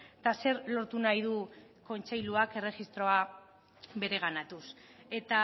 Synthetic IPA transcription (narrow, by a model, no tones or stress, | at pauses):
t̪ase̞ɾlo̞ɾt̪unajðu | ko̞nt͡ʃe̞jluake̞re̞xist̪ɾo̞a | βe̞ɾe̞ɣ̞anat̪us | e̞t̪a